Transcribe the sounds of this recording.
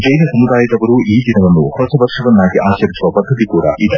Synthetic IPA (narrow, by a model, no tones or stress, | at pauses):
d͡ʒɐjnɐsɐmud̪aːjɐd̪ɐʋɐɾuiːd̪inɐʋɐnːuhɔsɐʋɐɾʂɐʋɐnːaːɡiʔaːt͡ʃɐɾisuʋɐpɐd̪ʱːɐt̪ikuːɽɐ̰ʔid̪e